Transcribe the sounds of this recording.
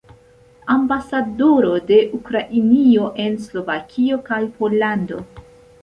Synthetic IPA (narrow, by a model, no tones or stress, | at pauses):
ambasadoɾo̞de̞ʔukɾaʔinio̞ʔe̞nslo̞vakʰio̞kajpo̞lando̞̰